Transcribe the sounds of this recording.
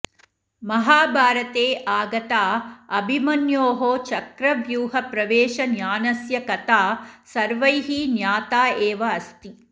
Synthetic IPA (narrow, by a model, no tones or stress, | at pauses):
mɐɦaːbʱaːɾɐt̪eːʔaːɡɐt̪aːɐbʱimɐnjoːɦoːt͡ʃɐkɾɐʋjuːɦɐpɾɐʋeːʃɐnjaːnɐsjɐkɐt̪aːsɐɾʋɐjɦinjaːt̪aːeːʋɐːst̪i